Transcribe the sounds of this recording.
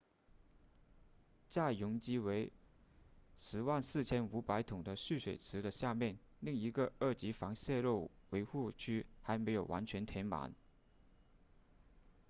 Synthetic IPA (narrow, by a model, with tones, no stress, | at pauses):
t͡ɕja˥˩jʊ˧˥ŋt͡ɕi˥we˧˥ɪ | ʂɻ̩˧˥wa˥˧nsɹ̩˥˩t͡ɕʰjɛ˥nu˧˥pa˧˥ɪt̪ʰʊ˨˩ŋd̪ə˦ɕy˥˩ʂwe˨˩ɪt͡s̩ʰ˧˥d̪ə˧ɕja˥˧mjɛ˥˩n | li˥˩ŋi˧˥ɡə˧ə˞˥˩t͡ɕi˧˥fɑ˧˥ŋɕjɛ˥˧ɻo˥˩ʊwe˧˥ɪxu˥˩t͡ɕʰy˥xa˧˥ɪme˧˥ɪjo˨˩ʊwʔa̰˧˥nt͡ɕʰɥɛ˧˥nt̪ʰjɛ˧˥nma̰˧˥n